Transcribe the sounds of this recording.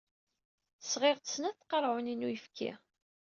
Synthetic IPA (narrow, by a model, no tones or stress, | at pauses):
θəsʁeʁt̪ə̥snæθθqɑɾˤʕʊninujəfkʰæ̰